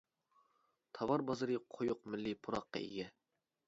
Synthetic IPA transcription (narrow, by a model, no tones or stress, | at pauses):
t̪ʰɑwɑɾbɑzɨɾɨqʰojʊq̚mɪlːɪpʰuɾɑqːɑ̰ḭɡʲɛ